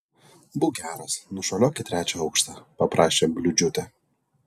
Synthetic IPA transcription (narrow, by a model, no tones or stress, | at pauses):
bʊɡʲæːɾɐsnʊʃɐlʲoːkʲɪt̪ʲɾʲæːt͡ʃʲɛɒʊkʃt̪ɑpɐpɾʔɑːʃʲeːbʲlʲʊd͡ʒʲʊt̪ʲɛ